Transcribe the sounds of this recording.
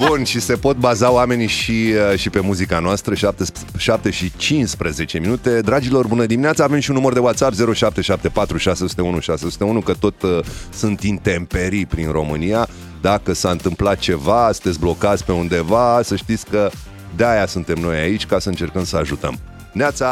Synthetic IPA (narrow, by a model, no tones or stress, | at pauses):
bunʃise̞po̞t̪̚bazaoame̞niʃiəʃipe̞muzikanoast̪ɾəʃap̚t̪e | ʃap̚t̪e̞ʃit͡ʃinspɾəze̞t͡ʃeminut̪e̞d̪ɾad͡ʒilo̞rbunəd̪iminat̪saːve̞mʃiunːumərd̪e̞wat̪sapze̞ɾoʃap̚t̪e̞ʃap̚t̪e̞pat̪ɾuʃasesu̥t̪eunuʃaseosu̥t̪e̞unukət̪o̞t̪sunt̪int̪e̞mpe̞ɾipɾinro̞mɨnija | d̪akəsaɨnt̪ɨmplat̪̚t͡ʃe̞vasɨ̥t̪etsʲblo̞kat̪sʲpe̞und̪e̞vasəʃt̪it̪sʲkə | d̪eajasunt̪e̞mno̞jait͡ʃʲkasəɨnt͡ʃe̞rkəmsəaʒut̪ə̰m | inat̪sa